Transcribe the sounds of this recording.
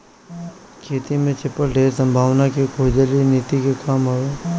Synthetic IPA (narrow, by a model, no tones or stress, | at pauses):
kʰeːt̪imẽt͡ʃɪpəlɖʱeːɾsə̃mbʱaːʋnakikʰoːd͡ʒəliniːt̪ikekaːmɦɐʋeː